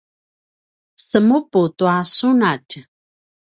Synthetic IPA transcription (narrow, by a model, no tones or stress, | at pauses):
səmuputuasunat